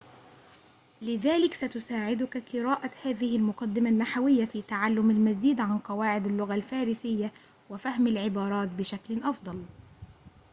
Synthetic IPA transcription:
lɪðaːlɪksat̪ʊsaːʕɪd̪ʊkaqɨɾaːʔahaːðɪhɪlmʊqɑd̪ːɪmanːaħawɪjːafiːt̪aʕalːʊmalmaziːd̪ʕanqɑwaːʕɪd̪alːʊɣalfaːɾɪsɪjːa | wafahmalʕɪbɑːɾˤɑːt̪̚bɪʃaklʔɑfd̪ˤɑl

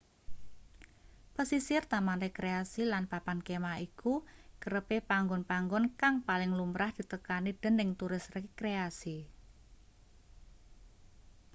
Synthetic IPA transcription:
pəsisɪrt̪amanɾekɾeasilanpapankemaikukəɾəpepaŋɡɔnpaŋɡɔnkaŋpalɪŋlumɾahd̪̥i̤t̪əkanid̥ə̤nːɪŋt̪uɾɪsrkɾeasi

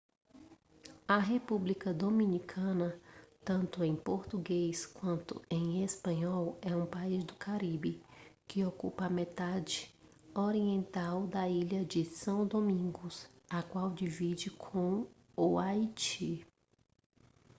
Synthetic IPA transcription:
ɐɦepublikɐd̪omĩnikʰɐ̃nɐt̪ɐ̃nt̪ʊẽj̃poɾt̪uɡejskwɐ̃nt̪ʊ̰ẽj̃espɐ̃ɲɔwɛũpaizd̪ʊkaɾibɪkɪokupɐːmet̪ad͡ʒɪ | oɾiẽnt̪awd̪ɐiʎɐd͡ʒɪsɐ̃w̃d̪omĩŋɡʊs | ɐkwawd͡ʒivid͡ʒɪkʰõw̃ | uajt͡ʃi

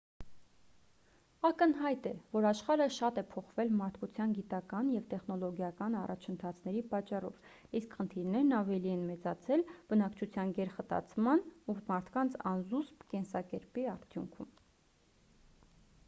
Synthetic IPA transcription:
ɑkənɦɑjt̪ɛvɔɾɑʃχɑɾəʃɑt̪ɛpʰɔχvɛlmɑɾt̪ʰkut͡sʰjɑnɡit̪ɑkɑnjɛvt̪ɛχnɔlɔɡjɑkɑnɑ̰rʔɑ̰t͡ʃʰənt̪ʰɑt͡sʰnɛɾipɑt͡ʃːɑrɔ̰v | iskχənt̪ʰiɾnɛɾnɑvɛliɛnmɛt͡sɑt͡sʰɛlb̥ənɑkt͡ʃʰut͡sʰjɑnɡɛɾχət̪ɑ̰t͡sʰmɑnumɑɾt̪ʰkɑnt͡sʰɑ̰nzuspkɛnsɑkɛɾpiɑɾt̪ʰjṵŋkʰṵm

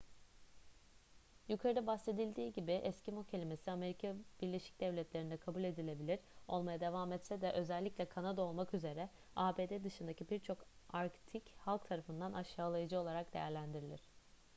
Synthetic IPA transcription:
jukʰaɾɯd̪abase̞d̪ilʲd̪iːɟibiʔɛscimocʰelʲime̞siame̞ɾikʰabiɾlʲe̞ʃi̥c̚d̪̥ɛvlʲɛt̪lʲe̞ɾind̪ɛkʰabulʲe̞d̪ilʲe̞bilʲiɾ̥o̞lˠmajad̪e̞vaːmɛt̪sɛd̪ɛʔø̞zɛlʲːicʲlʲɛkʰanad̪ao̞lˠmakyze̞ɾɛ | aːbeːd̪eːd̪ɯʃɯnd̪acʰibiɾt͡ʃʰo̞kaɾkt̪ʰichalˠk̚t̪ʰaɾafɯnd̪anʔaʃːaːlˠajad͡ʒɯo̞lˠaɾak̚d̪e̞jæɾlʲænd̪iɾilʲiɾ̥

